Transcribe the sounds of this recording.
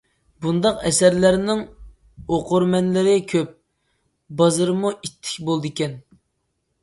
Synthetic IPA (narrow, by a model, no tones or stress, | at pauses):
bund̪ɑqɛsæɾlæɾnɪŋ | oqʰʊɾmɛnlɪɾɪkʲʰøp̚ | bɑzɨɾmuʔit̪ʰːɪ̥kʲbolˠd̪ɨkʲɛn